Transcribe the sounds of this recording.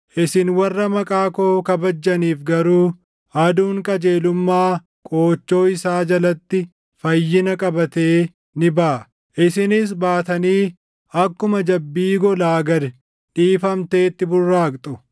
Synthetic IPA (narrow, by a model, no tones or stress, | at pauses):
ʔɪsɪnwɐrːɐmɐkʼaːkoːkɐbɐd͡ʒːɐniːfɡɐɾuː | ɐd̪uːŋkʼɐd͡ʒe̞ːlʊmːaː | kʼoːt͡ʃːo̞ːɪsaːd͡ʒɐlɐt̪ːɪ | fɐjːɪnɐkʼɐbɐt̪eː | nɪbaː | ʔɪsɪnɪs̬baːt̪ɐniː | ɐkːʊmɐd͡ʒɐbːiːɡɔlaːɡɐd̪ɛ | ᶑiːfɐmt̪e̞ːt̪ːɪbʊrːaːkt̪ʼʊ